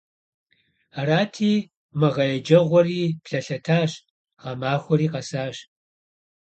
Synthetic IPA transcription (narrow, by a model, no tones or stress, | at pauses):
raːtʰiː | mɨʁɐjɛd͡ʒɐʁʷɔriːpɬɐɬɐtʰaːɕ | ʁɐmaːxʷɔɾiːqɐsaːɕ